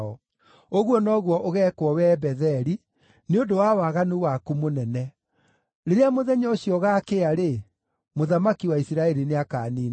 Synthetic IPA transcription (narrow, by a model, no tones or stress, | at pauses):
ɔ | oɣwɔnɔːɣwɔʔoɣɛːkwɔwɛbɛðɛɾi | neondowawaɣanuwakumonɛnɛ | ɾeɾeamoðɛɲɔoɕjɔɣaːkeaɾe | moðamakiwaisiɾaɛɾineakaːniː